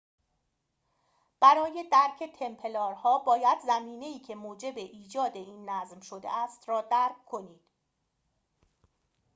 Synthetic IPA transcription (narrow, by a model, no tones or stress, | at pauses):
b̥æɾɒːje̞d̪æɾcʰe̞t̪ʰe̞mpʰe̞lɒːɾhɒːbɒːjæd̪zæmiːne̞iːcʰe̞moːd͡ʒe̞be̞ʔiːd͡ʒɒːd̪e̞iːnːæzmʃo̞d̪e̞̰æst̪rɒːd̪æɾkʰkʰːo̞niːd̪̥